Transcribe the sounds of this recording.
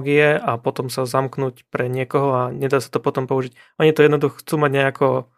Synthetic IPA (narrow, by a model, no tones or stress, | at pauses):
ɡiɛapɔt̪ɔmsazamknuːcpɾɛɲɪɛkɔɦɔaɲɛd̪aːsḁt̪ɔpɔt̪ɔmpɔuʒic | ʔɔɲit̪ɔjɛd̪nɔd̪uxɔxt͡suːmaɟɲɛakɔ